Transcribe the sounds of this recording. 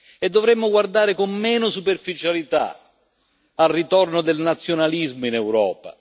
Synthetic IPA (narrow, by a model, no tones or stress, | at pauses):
ed̪ːovɾɛmːʊɡward̪aːɾɪkomːɛːnʊsuperfit͡ʃalit̪a̰ | alrit̪ɔrnod̪elnat̪sːjonalizmoinɛwɾɔːpa̰